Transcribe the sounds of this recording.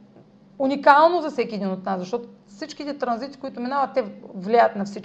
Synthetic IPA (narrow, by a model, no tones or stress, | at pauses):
unikalˠnozɐfsɛkʲiɛd̪inot̪naszɐʃt̪ɔt̪o | fsit͡ʃkit̪ɛt̪ɾɐnzit̪i̥koit̪ominavət̪ːɛvlʲajət̪nɐfsit͡ʃk